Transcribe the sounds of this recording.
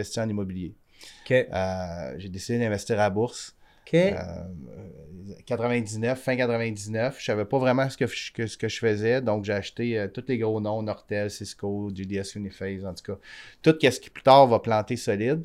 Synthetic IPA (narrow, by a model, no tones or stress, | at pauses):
ɛst̪iɑ̃nimɔbilje | kʲeøʒed̪esid̪ed̪ɛ̃vɛst̪iːʁabʊʁs | kʰḛ | kat̪χəvɛ̃d̪iznœfːɛ̃kat̪χʁəvɛ̃d̪iznœfʃavɛpɔvʁɛmɑ̃sə̥kəkəsə̥kəʒəfəzɛd̪ɔ̃kʒeaʃt̪eøt̪ʊt̪leɡʁonɔ̃nɔʁt̪ɛlsiskod̪yd̪eɛsjunifɛzɑ̃t̪u̥kʌt̪ʊt̪̚kʲɛskə̥ply̥t̪ɑːʁvɑplɑ̃t̪esɔlɪd̪